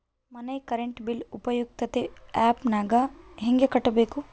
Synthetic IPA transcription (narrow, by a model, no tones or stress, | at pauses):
mɐnɐjkɐɾeɳʈbilupɐjuk̚t̪ɐt̪eɛːpnaːɡaɦẽŋɡjɐkɐʈɐbeːku